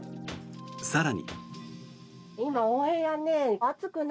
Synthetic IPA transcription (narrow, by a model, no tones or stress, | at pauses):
saɾaɲ̟ḭ | imaõːhẽɰ̃janeat͡sɨkɯ̟n